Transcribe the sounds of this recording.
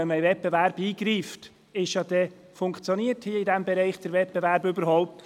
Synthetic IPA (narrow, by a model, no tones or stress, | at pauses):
ɛnmvɛt̚bɛvæɾbiːɡɾiːft | ɪʃjɑd̪ɛ | fʊŋkt͡sjoniəɾthiəɪdæmbɛɾɛɪχd̥əɾʋɛt̚b̥ɛvæɾbøbəɾhɔʊp̚t̪